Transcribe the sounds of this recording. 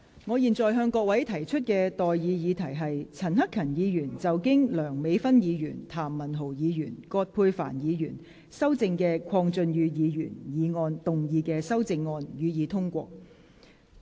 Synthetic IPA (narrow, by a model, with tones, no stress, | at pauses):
ŋɔː˨˧jiː˨˩nt͡sɔː˨jɦœː˧ŋkɔː˧k̚wɐ˨˥jt̪ʰɐ˨˩jt͡ʃʰɵ˥t̚kɛː˧t̪ɔː˨jjiː˨˧jiː˨˧t̪ʰɐ˨˩jɦɐ˨jt͡sʰɐ˨˩nhɐ˥kʰːɐ˨˩njiː˨˧jyː˨˩nt͡sɐ˨˩wkɪ˥ŋlœː˨˩ŋme˨˧jfɐ˥njiː˨˧jyː˨˩nt̪ʰaː˨˩mːɐ˨˩nɦo˨˩wjiː˨˧jyː˨˩nkɔː˧t̚pʰuː˧jfa̰ː˨˩njiː˨˧jyː˨˩n | sɐ˥wt͡sɪ˧ŋkɛː˧kʰɔː˧ŋt͡sɵ˧njyː˨˧jiː˨˧jy̰ː˨˩njiː˨˧ŋɔː˧nt̪ʊ˨ŋjiː˨˧kɛː˧sɐ˥wt͡sɪ˧ŋːɔː˧njyː˨˧jiː˨˧t̪ʰʊ˥ŋkʷɔː˧k̚